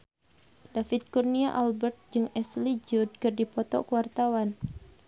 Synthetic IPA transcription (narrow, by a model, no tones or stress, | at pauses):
dafit̪̚kurniaʔalbɛrt̪̚d͡ʒɨŋɛslid͡ʒud̚kɨrdipɔt̪ɔ̰kəwart̪awan